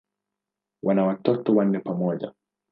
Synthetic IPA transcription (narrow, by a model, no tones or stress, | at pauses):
wʔanawatɔtɔwan̩ːɛpamɔʄa̰